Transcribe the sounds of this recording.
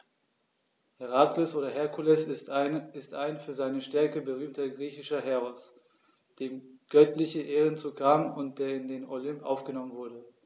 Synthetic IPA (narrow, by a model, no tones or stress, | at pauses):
hɛʁaːkləsʔoːɾɐɦɛɐkʰulɛs | ɪstʔaɪnfyːɐzaɪnəʃtɛɐkəbəʁ̞yːmtɐɡʁiːçɪʃɐɦɛʁɔs | d̥eːmɡ̥œtlɪçəʔeːʁənt͡sukʰaːmʊnt̚d̥eːɐɪndeːnolʏmpʔa̰ʊfɡ̥ənɔmənvʊɐɾə